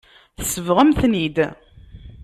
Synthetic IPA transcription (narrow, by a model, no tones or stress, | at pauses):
θsəvʁəmθnid̪